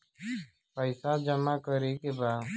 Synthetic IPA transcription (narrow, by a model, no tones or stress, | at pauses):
paisaːd͡ʒəmaːkəɾeːkebaː